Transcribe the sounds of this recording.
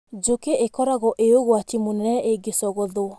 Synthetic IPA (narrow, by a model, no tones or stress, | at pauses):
d͡ʒokeʔekɔɾaɣɔʔeoɣwatimonɛnɛʔeɡesɔɣɔðo